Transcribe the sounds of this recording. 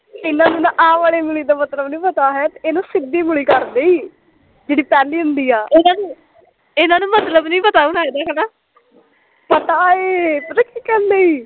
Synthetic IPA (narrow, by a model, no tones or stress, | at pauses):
ɪnãːnũːnãʔãːʋaːɭeːmʊliːd̪aːmət̪ləbnĩːpət̪aːɦɛːt̪eeːnũːsɪd̪iːmʊɽiːkəɾd̪eːiː | d͡ʒeːɽiːpɛːliːʊnd̪iːaːɪnãːnũː | ɪnãːnũːmət̪ləbnĩːpət̪aːũːnaːeːd̪aːkənãː | pət̪aːeːp̪əɾəkiːkɛ̃ːnd̪eːiː